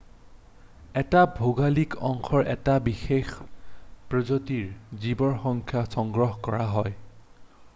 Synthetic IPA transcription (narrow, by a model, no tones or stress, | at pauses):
ɛtabʱoɡalikɔŋkʰɔɹʔɛ̰tabixex | pɹɔzotiɹzibɔɹxɔŋkʰjasɔŋɡɹɔɦkɔɹaɦɔj